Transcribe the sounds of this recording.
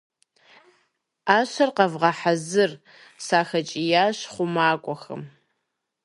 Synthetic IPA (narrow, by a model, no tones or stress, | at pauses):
aːɕɐrqɐvʁɐħazɨr | saːxɐt͡ʃʼijaːɕχʷʊmaːkʷʼɔxɐ̰m